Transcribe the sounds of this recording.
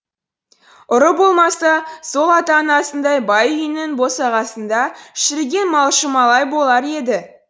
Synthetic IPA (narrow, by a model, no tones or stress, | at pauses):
ʊɾəbo̞lˠmɑsɑso̞lˠɑt̪ɑnɑsənd̪ɑjbɑjʏjnɪŋbo̞sɑʁɑsənd̪ɑʃɪɾɡʲe̞nmɑlˠʃəmɑlˠɑjbo̞lˠɑɾe̞d̪ɪ